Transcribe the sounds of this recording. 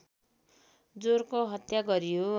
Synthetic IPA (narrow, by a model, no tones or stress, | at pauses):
d͡zorkoɦʌt̪jaɡʌɾijo